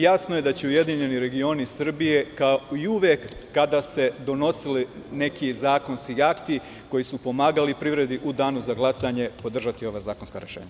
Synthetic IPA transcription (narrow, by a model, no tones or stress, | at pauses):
jasnoje̞d̪at͡ɕeuje̞d̪iɲe̞niɾe̞ɡio̞nisr̩bije̞kaoiuʋjekːad̪ase̞d̪o̞no̞sili | ne̞kizaːko̞nskiakt̪i | ko̞jisupo̞maːɡalipɾiʋɾe̞d̪iʔud̪aːnuzaɡlˠasaɲe̞po̞d̪r̩ʒat̪io̞ʋazaːkonska̰ɾḛʃḛːɲa